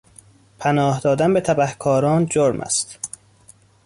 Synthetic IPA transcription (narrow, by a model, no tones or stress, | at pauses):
pʰænɒːhd̪ɒːd̪ænbet̪ʰæbæhkʰɒːɾɒːnd͡ʒoɾmʔæ̰st̪